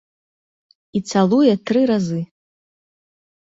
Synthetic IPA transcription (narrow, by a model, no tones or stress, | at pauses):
it̪salˠujɛt̪ɾɨɾazɨ